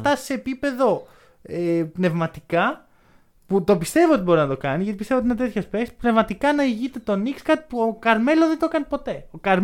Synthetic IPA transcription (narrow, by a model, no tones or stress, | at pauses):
t̪ɐse̞ːpipe̞ðo̞ | epne̞vmɐt̪ikɐ | put̪o̞pist̪e̞vio̞t̪ibo̞ɾinɐt̪o̞kɐnizʝɐt̪ipist̪evot̪inet̪et̪çospekspne̞vmɐt̪ikɐnɐiʝit̪e̞t̪o̞nikskɐt̪i̥puokɐɾme̞loðed̪o̞kɐnipo̞t̪e̞o̞kɐɾ